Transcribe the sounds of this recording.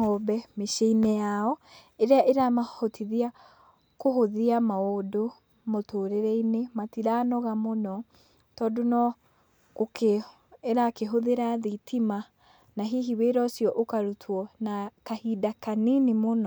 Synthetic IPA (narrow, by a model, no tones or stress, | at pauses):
ɔbɛmeʃeinɛjaɔ | eɾeaʔeɾamahotʰiðia | koɦoðiamaodo | motoːɾeɾɛinematiɾaːnɔɣamonɔ | tɔːdonɔ | koke | eɾakeɦoðeɾaðitʰima | naɦiɦiβeɾɔsjɔʔokaɾutʰwɔnakahidakaninemonɔ